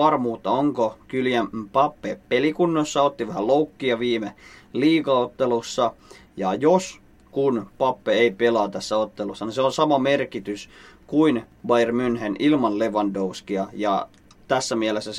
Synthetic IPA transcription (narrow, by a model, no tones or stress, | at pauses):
ɑrmuːt̪ːɑoŋkokyljæmpɑpːepelikunːosːɑot̪ːiʋæhæloukːiɑʋiːmeliːkɑot̪ːelusːɑjɑjos | kunpɑpːeeipelɑːt̪æsːæot̪ːelusːɑniseolsɑmɑmerkit̪yskuinʋɑjrmynhenilmɑnleʋɑndoʋskiɑjɑ | t̪æsːæmiælesːæs